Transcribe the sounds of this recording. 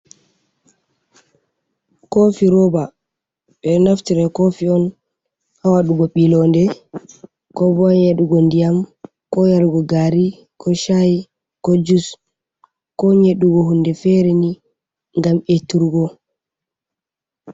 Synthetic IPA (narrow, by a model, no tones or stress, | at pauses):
kofiɾɔba | ɓɛnaftiɾɛkofiɔn | hawaɗuɡɔɓilɔndɛ | kɔbɔɲeɗuɡɔndijam | kɔjaɾɡɔɡaɾi | kʰɔʃaji | kɔd͡ʒus | kɔɲeɗuɡɔɦundɛfɛɾɛni | ŋɡametːuɾɡɔ